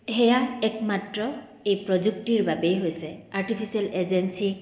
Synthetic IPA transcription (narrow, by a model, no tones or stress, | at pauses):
hɛjaɛkmatɹɔ | ejpɹɔzuk̚tiɹbabɛjɦojsɛaɹʈipʰisialezensi